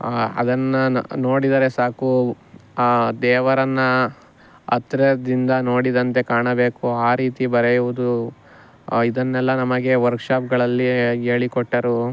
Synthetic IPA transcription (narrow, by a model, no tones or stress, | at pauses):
ɐ̰d̪ɐnːɐno̞ːɽid̪ɐɾe̞saːku | d̪ɛːʋɐɾɐnːɐ | ɐ̰t̪ɾɐd̪ind̪ɐno̞ːɽid̪ɐnt̪e̞kaːɳɐbe̞ːkuaːɾiːt̪ibɐɾejuʋud̪u | id̪ɐnːɛlːɐnɐmɐɡe̞ʋɐɾkʂaːpɡɐɭɐlːieːɭikɔʈːɐɾu